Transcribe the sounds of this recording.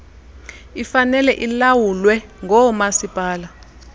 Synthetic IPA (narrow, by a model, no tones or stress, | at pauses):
ifanɛlɛʔilawulwɛŋʱɔmasipʼaːla